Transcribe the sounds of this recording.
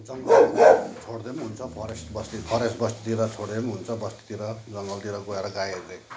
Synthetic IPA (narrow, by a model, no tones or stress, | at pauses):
d͡zʌŋɡʌt͡sʰoɽd̪emɦunt͡sʰʌpʰʌɾesbʌst̪ipʰʌɾesbʌst̪i̥t̪iɾʌt͡sʰoɽd̪emɦunt͡sʰʌbʌst̪i̥t̪iɾʌd͡zʌŋɡʌlt̪iɾʌɡoeɾʌɡajele